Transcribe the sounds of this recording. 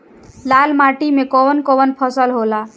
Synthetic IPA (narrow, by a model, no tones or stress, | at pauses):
lalmaʈimekɔwənkɔwənpʰəsəlɦola